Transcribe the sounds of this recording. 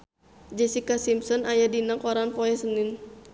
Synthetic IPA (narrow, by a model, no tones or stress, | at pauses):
d͡ʒɛsikasimsɔnajadinakɔɾanpɔɛsənɪn